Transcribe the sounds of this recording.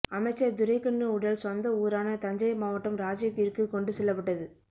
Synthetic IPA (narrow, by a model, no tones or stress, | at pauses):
ɐmɐɪt͡ʃːɐd̪ʊɾɐɪkːɐɳːɯʊɽɐlsʋɐnd̪ɐuːɾaːnɐt̪ɐɲd͡ʒɐɪmaːʋɐʈːɯmɾaːd͡ʒjɐkːiɾkɯkɔɳɖɯsɛlːɐpːɐʈːɐðɯ